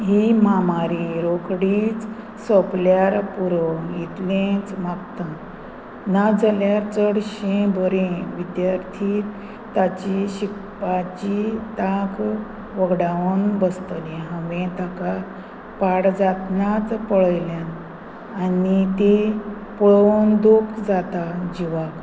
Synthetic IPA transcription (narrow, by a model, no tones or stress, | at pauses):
ɦimamaɾiɾokɽiːt͡s | sɔpljaɾpuɾɔjit̪lẽt͡smapt̪ã | nad͡zəljaɾt͡səɽɕẽbəɾẽʋid̪jaɾt̪ʰi | t̪at͡ɕiɕikpat͡ɕit̪ãk | ʋəɡɽaənbəst̪əlẽɦə̃ʋẽt̪aka | paɽd͡zat̪nat͡spəɭəjljãnː | nit̪e | pɔɭond̪okd͡zat̪ad͡ʑiʋak